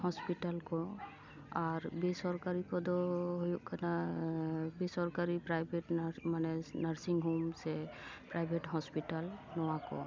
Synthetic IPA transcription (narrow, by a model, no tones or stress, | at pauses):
hɔspiʈalkɔ | aɹbesɔɹkaɹikɔd̪ɔɦojuʔkʰana | besɔɹkaɹipɹajbʱeʈmanɛnaɹsiŋɡɦumsɛpɹajbʱeʈhɔspiʈalnɔwakɔ̰